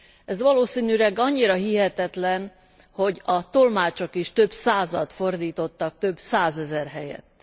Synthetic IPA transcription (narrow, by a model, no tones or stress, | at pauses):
ɛzʋɒloːsiːnyɾɛɡɒɲːiɾɒɦiɦɛt̪ɛt̪lɛn | ho̞ɟɒt̪o̞lmaːt͡ʃo̞kiʃt̪ø̞bsaːzɒt̪fo̞rd̪iːt̪o̞t̪ːɒk̚t̪øbsaːzɛzɛrɦɛjɛ̰t̪ː